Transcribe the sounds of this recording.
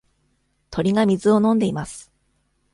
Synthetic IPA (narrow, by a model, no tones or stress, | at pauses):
t̪ʰo̞ɾʲiɡamʲizɨo̞nõ̞nd̪e̞imasɨ̥